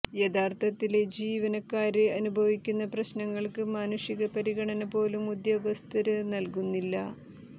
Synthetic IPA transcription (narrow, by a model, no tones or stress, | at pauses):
jed̪aːrt̪ʰɐt̪ːiled͡ʑiːʋɐnɐkːaːɾɨɐnubʱɐʋikʲːunːɐprɐɕnɐŋːɐɭkɨmaːnuʂiɣɐpɐɾiɣɐɳɐnɐpo̞ːlumːud̪ʱjɐʋɐst̪ʰɐɾɨnɐlkunːilːɐ̰